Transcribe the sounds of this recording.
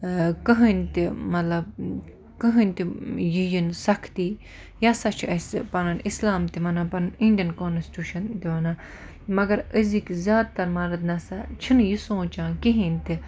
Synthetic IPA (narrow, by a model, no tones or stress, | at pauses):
kəɦənʲt̪imɐt̪lɐb̚ | kəɦɨnʲt̪ijijinsɐkʰt̪iː | jasat͡ʃʰiɐspɐnɐnislaːmt̪imɐnapɐninʲd̪ʲiɐnkonsʈʲuːʃɐnt̪iʋɐna | mɐɡɐɾəzikzʲjaːd̪̚t̪ɐɾmɐɾɨt̪nɐsat͡ʃʰinjisõːt͡ʃãːkiɦĩnʲt̪i